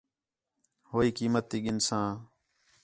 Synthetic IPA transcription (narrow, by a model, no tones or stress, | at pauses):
hoːiːkiːmət̪ːiːɠɪnsãː